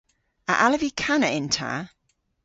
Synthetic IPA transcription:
ə̰ʔaləvikʰanəʔɪ̃ntʰa̰

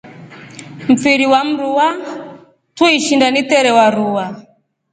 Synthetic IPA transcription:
m̩fiɾiwam̩ɾuwa | tuiʃindanit̪ɛɾɛwaɾuwa

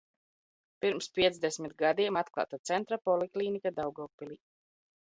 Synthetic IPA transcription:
piɾmspʲiɛt̪zd̪esmit̪ɡad̪iɛmat̪klˠa̰ːt̪at̪sɛnt̪ɾapɔlˠiklˠiːnikad̪awɡɔːpːiliː

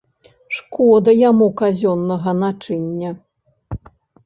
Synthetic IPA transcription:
ʂkɔd̪ɐjamukazʲɔnːɐɣɐnat͡ʂɨnʲːɐ

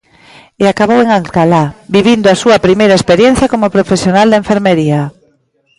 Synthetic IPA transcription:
eakaβoweŋalkalabiβind̪oasuɐpɾimejɾɐespeɾjẽn̟θjɐkomopɾofesjonald̪aeɱfeɾmeɾia

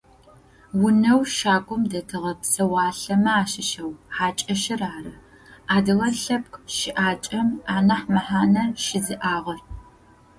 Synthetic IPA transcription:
wʊnɐwʃaːɡʷʼʊmdɐtʰɨʁɐpsɐwaːɬɐmɐaːʃɪʃɐwħaːt͡ʃʼɐʃɪraːrɐ | aːdɨʁɐɬɐp̚kʷʰʼʃɪʔaːt͡ʃʼɐmaːnɐħmɐħaːnɐʃɪzɨʔaːʁɐr

